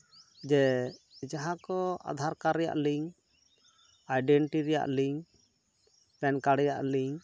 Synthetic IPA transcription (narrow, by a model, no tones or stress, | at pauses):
d͡ʒɛd͡ʒaɦãkɔa̰d̪ʱaɾkaɾːɛja̰ʔliŋ | ajɖɛɳʈiɾɛja̰ʔliŋ | pɛnkaɽɛja̰ʔliŋ